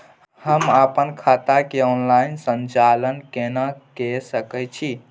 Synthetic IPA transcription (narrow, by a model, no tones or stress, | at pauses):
həməpənkʰat̪akeɔnlainsənt͡ʃalənkenəkesəkɛt͡ʃʰi